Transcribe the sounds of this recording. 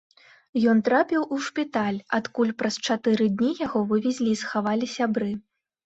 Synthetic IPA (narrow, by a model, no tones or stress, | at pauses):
jɔnt̪ɾapʲiwʔuʂpʲit̪alʲat̪kulʲpɾɐst͡ʂat̪ɨɾɨd̪ʲnʲijaɣɔvɨvʲɛzʲlʲisxavalʲisʲabɾɨ